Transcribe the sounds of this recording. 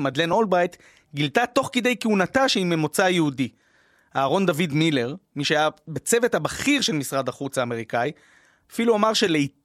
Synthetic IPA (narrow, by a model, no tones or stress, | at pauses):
mad̪le̞no̞lbʁajt̪ | ɡilt̪at̪o̞χked̪e̞jkeunat̪aʃeime̞mo̞t͡sajeudi | aːʁo̞nd̪avid̪mile̞ʁmiʃejabet͡se̞vet̪habaχiʁʃe̞lmisʁad̪aχut͡saːme̞ʁ̞ikaj | afiluamaʁʃe̞lei